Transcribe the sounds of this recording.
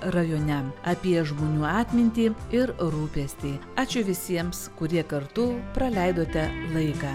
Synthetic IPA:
ɾɐjoːnʲɛmɐpʲiɛʒmoːnʲuːɑːt̪ʲmʲɪnʲt̪ʲiːɪɾɾuːpʲɛːsʲt̪ʲiːɑːt͡ʃʲʊʋʲɪsʲiɛmskʊɾʲiɛkɐɾt̪ʊpɾɐlʲɛɪd̪oːt̪ʲɛlˠɐɪkɑː

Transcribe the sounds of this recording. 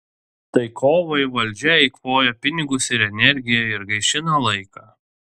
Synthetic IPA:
t̪ɐɪkʰoːʋɐɪʋɐlʲd͡ʒʲɛɛɪkʋoːjɛpʲɪnʲɪɡʊsɪɾɛnʲɛɾʲɡʲɪjɛɪɾɡɐɪʃʲɪnɐlˠɐɪkɑː

